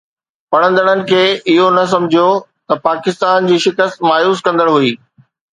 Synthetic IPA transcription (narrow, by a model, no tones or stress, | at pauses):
pɐɽ̃ə̃nd̪əɽ̃ənɪ̆kʰeːɪɦonɐs̬ɐ̃mɪd͡ʑʱijot̪ɐpaːkɪst̪aːnd͡ʑiːʃɪkəst̪maːjuːskɐ̃nd̪əɽɦuiː